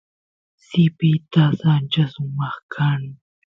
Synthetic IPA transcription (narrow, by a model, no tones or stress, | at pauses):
sɪpɪt̪asant͡ʃasʊmɑχkʰaŋ